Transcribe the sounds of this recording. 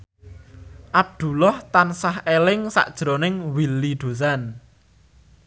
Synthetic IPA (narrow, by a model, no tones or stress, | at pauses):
ʔab̚d̪̥ṳlɔht̪ansahelɪŋsa̰ʔd̥ʒ̥ɾonɪŋwilːiɖ̪̥o̤s̬an